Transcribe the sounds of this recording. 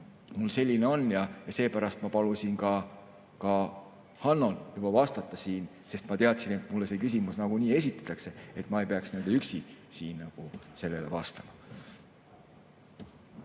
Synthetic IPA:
mulse̞lʲːineo̞njɑjɑse̞ːpæɾɑst̪mɑpɑlusʲinkɑ | kɑ | hɑnːo̞njub̥ɑvɑst̪ɑt̪ːˑɑsiːn | se̞st̪mɑt̪e̞ɑt̪sine̞t̪ˑmulːese̞ːkys̬imusnɑɡ̥uniːe̞sit̪ːˑe̥t̪ːˑɑkse̞e̞t̪ːˑmɑe̞jpeɑksnend̪eyksisiːnːɑɡ̥use̞lːe̞levɑst̪ɑmɑ

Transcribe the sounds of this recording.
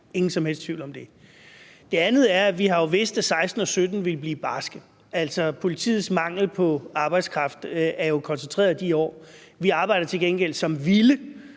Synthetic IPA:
e̝ŋn̩sɒ̽mhel̰sd̥t͡sʰʋiʊ̰lɒ̽md̥e̝ | d̥e̝ænð̞̩ˠæɐæʋiɦɑ̈jo̝ʋe̝sd̥æsɑ̈ɪsd̥n̩ɒ̽sød̥n̩ʋe̝lb̥liːb̥ɑ̈sɡ̥ə | æl̰sɒ̽pʰo̝lit͡sʰḭːð̩ˠsmɑ̈ŋ̰l̩pʰɒ̽ɑ̈ːb̥ɑ̈ɪd̥skʰʁɑ̈fd̥æɐjo̝kʰɒ̽nsənt͡sʰʁɛḛːɐd̥iɒ̰ː | ʋiɑ̈ːb̥ɑ̈ɪ̰ɾ̥ɐt͡sʰe̝lɡ̥enɡ̥el̰sɒ̽mʋilə

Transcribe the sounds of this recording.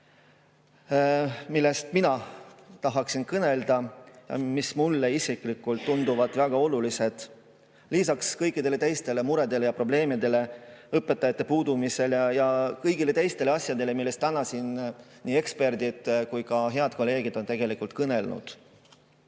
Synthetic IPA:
milːe̞st̪minɑt̪ɑɦɑksinkɤne̞ld̪̥ɑjɑ̰mismulːe̞isikˑlikːˑult̪ːund̪uvɑd̪̥væɡ̥ɑo̞lulise̞d̪̥ | lisɑkskɤjkːˑid̪e̞le̞t̪e̞jst̪e̞le̞muɾe̞d̪̥e̞lejɑpro̞ble̞ːmid̪e̞le̞ɤpːˑe̞t̪ːˑɑjɑt̪ːˑepuːd̪̥umise̞ljɑjɑkɤjɡ̥ile̞t̪e̞jst̪e̞leɑsjɑd̪e̞le̞milːe̞st̪ːænɑsin | niːe̞kspe̞rd̪id̪̥kujkɑɦe̞ɑd̪̥ko̞lːe̞ːɡ̥id̪̥o̞nt̪e̞ɡ̥e̞likult̪̚kɤne̞lnṵd̪̥

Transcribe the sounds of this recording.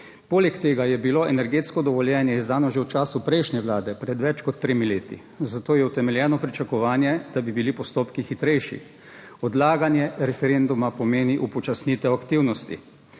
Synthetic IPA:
poːlɛkt̪eːɡajɛbiloɛnɛɾɡeːt̪skɔd̪ɔʋɔljɛnjɛizd̪aːnɔʒewt͡ʃaːsupɾɛjʃnʲɛʋlaːd̪ɛpɾɛd̪ʋɛt͡ʃkɔt̪ːɾeːmileːt̪ḭ | zat̪oːjɛwt̪ɛmɛljɛːnɔpɾit͡ʃakɔʋaːnjɛd̪̥abibilipɔst̪oːpkixit̪ɾɛjʃḭ | ɔd̪laːɡanjɛɾɛfɛɾend̪umapɔmeːniʔupɔt͡ʃasnit̪ɛwakt̪iwnɔst̪ḭ

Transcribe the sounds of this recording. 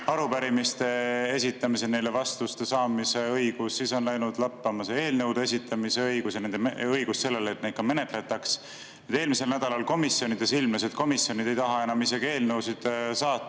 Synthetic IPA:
ɑɾupæɾimist̪e̞es̬ʲit̪ːˑɑmis̬ene̞jlevɑst̪ust̪e̞sɑːmise̞ɤjɡ̥usːiso̞nlæjnud̪̥lɑpːɑmɑsee̞ːlnɤwd̪ee̞s̬ʲit̪ːˑɑmise̞ɤjɡ̥usjɑne̞nd̪emɤjɡ̥usse̞lːe̞lːt̪̚ne̥kɑme̞ne̞t̪le̞t̪ːˑɑks | ed̪̥e̞ːlmise̞lnæd̪̥ɑlɑlko̞misjo̞nid̪̥e̞silmlese̞t̪̚ko̞misːjo̞nid̪̥e̞jt̪ɑɦɑe̞nɑmisɑɡ̥e̞ːlnɤwsid̪̥sɑːt̪ˑː

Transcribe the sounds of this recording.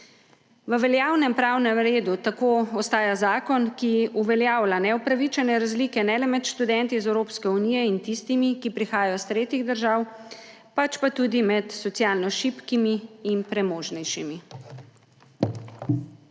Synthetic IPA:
ʋəʋɛljaːwnɛmpɾawnɛmɾeːd̪ut̪akoːɔst̪aːjazaːkɔnkiuʋɛljaːwlanɛupɾaʋit͡ʃɛnɛɾazliːkɛnɛlɛmɛt̪ʃt̪ud̪ɛnt̪izɛwɾoːpskɛunijɛint̪ist̪imikipɾixaːjajɔst̪ɾeːt̪iɣd̪əɾʒaːw | pat͡ʃpat̪uːd̪imɛt̪sɔt̪sjaːlnɔʃipkimiːnpɾɛmoːʒnɛjʃimi

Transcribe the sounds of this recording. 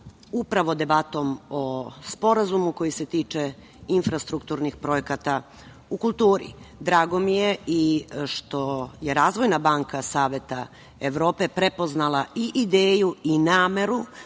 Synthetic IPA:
upɾaʋod̪e̞bat̪o̞mospo̞ɾazumuko̞jise̞t̪iːt͡ʃe | infɾast̪ɾukt̪uɾnixpɾo̞jekat̪a | ukulˠt̪uːɾḭd̪ɾaːɡo̞mije̞iʃt̪o̞je̞ɾaːzʋo̞jnabaːŋkasaːʋe̞t̪a̰ | eʋɾo̞ːpe̞pɾepo̞znalˠaiʔid̪eːjuinaːme̞ɾu

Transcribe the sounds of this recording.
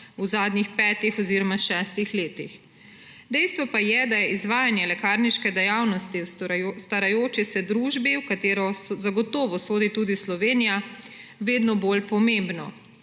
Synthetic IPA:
uzaːd̪nixpɛːt̪ixɔziɾɔmaʃɛːst̪ixleːt̪ix | d̪ɛjst̪ʋɔpajɛd̪ajɛʔizʋaːjanjɛlɛkaɾniʃkɛd̪ɛjawnɔst̪ist̪aɾajoːt͡ʃisɛd̪ɾuʒbiwkat̪eːɾɔsɔzaɡɔt̪ɔːʋɔsoːd̪it̪uːd̪islɔʋeːnija | ʋeːd̪nɔboːlpɔmembnɔ̰

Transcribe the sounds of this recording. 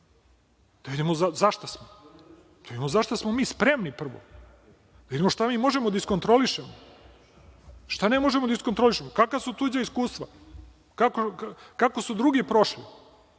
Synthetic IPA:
d̪̥avid̪imozazaʃt̪asmo | d̪avid̪ʲimozaʃt̪asmomiːspɾemnipr̩ʋo̰ | d̪avid̪imoʃt̪amiːmo̞ʒemod̪aiskont̪ɾo̞liʃemo | ʃt̪anemo̞ʒemod̪aisko̞nt̪ɾoliʃemokakasut̪ud͡ʑaiskuːst̪ʋa̰ | kakokako̞sud̪ɾuɡipɾo̞ʃli

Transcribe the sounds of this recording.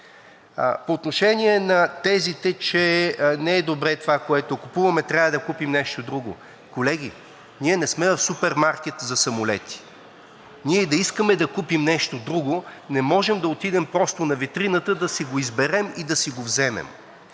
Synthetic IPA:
poːt̪noʃɛniɛnɐt̪ɛzit̪ɛt͡ʃɛnɛɛd̪obɾɛt̪ovakoɛt̪okupuvɐmɛt̪ɾʲavɐd̪ɐkupimnɛʃt̪od̪ɾuɡo | kolɛɡ̟ʲḭ | niɛnɛsmɛvɐfsupɛɾmaɾk̟ɛt̪zɐsɐmolɛt̪i̥ | niɛd̪ɐiskəmɛd̪ɐkupimnɛʃt̪od̪ɾuɡonɛmɔʒɛmd̪ɐot̪id̪ɛmpɾɔst̪onɐvit̪ɾinət̪əd̪ɐsiɡoizbɛɾɛmid̪ɐsiɡovzɛmɛ̰m

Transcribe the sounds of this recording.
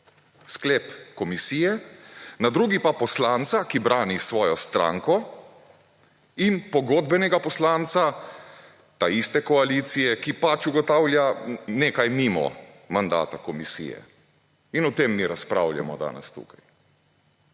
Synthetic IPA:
skleːpkɔmisiːjɛnad̪ɾuːɡipapɔslaːnt̪sakibɾaːnisʋɔːjɔst̪ɾa̰ːŋkɔ | inpɔɡod̪bɛnɛɡapɔslaːnt̪sa | t̪aist̪ɛkɔaliːt̪sijɛkipat͡ʃuɡɔt̪aːwlʲjaneːkajmiːmɔ̰ | mand̪a̰ːt̪akɔmisḭːjɛ̰ | inɔt̪emːiːɾaspɾa̰ːwlʲja̰mɔ̰d̪a̰ːnɛ̰st̪ṵːkaj

